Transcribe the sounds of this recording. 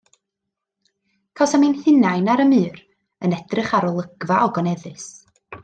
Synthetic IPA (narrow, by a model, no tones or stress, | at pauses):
kʰawsaminhɨnajnaɾəmɨːr | ənɛd̥rɪχaɾɔlˠəɡ̥vaʔɔɡɔnɛðɨs